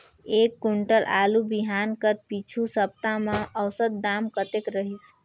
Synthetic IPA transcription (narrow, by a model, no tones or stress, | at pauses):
ekːuɳʈəlʔalubiɦankəɾpit͡ʃʰusəp̚t̪amẽʔəwsət̪̚d̪amkət̪ekɾəɦis